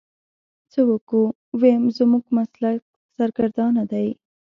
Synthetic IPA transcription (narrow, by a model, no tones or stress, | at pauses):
t͡səwəku | wemzəmuɡmaslak̚ | saɾɡaɾd̪ɑnad̪aj